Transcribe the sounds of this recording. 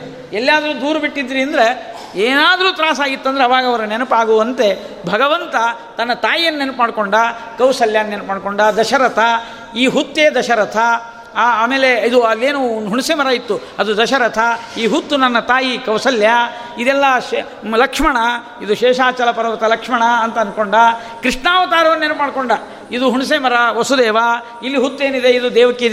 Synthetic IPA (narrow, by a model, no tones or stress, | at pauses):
elːjaːd̪ɐɾuːd̪uːɾɐbiʈːid̪ɾiɐnd̪ɐɾe | eːnaːd̪ɐɾuːt̪ɾaːsaːɡit̪ːɐnd̪ɐɾeɐʋaːɡɐʋɐɾɐnenupaːɡoːɐnt̪e̞ | bʱɐɡɐʋɐnt̪ɐ | t̪ɐnːɐt̪aːjijɐnːenupmaːɖkoɳɖɐkɐwsɐljaːnːenupmaːɖkoɳɖɐd̪ɐʃɐɾɐt̪ʰɐ | iːɦut̪ːeːd̪ɐʃɐɾɐt̪ʰɐː | meːleid̪uɐlːeːnunɦuɳusemɐɾaːjit̪ːu | ɐd̪ud̪ɐʃɐɾɐt̪ʰɐiːɦut̪ːunɐnːɐt̪aːjikɐwsɐlja | id̪ɛlːɐ | lɐkʂmɐɳɐ | id̪uʃɛːʃaːt͡ʃɐlɐpɐɾɐʋɐt̪ɐlɐkʂmɐɳɐɐnt̪ɐɐnkoɳɖɐ | kɾiʂɳaːʋɐt̪aːɾɐʋɐnːenpmaːɖkoɳɖɐ | id̪uɦuɳus̬eːmɐɾɐʋɐsud̪eːʋɐ | ilːiɦut̪ːe̞ːnid̪eid̪ud̪ɛːʋɐkːeid̪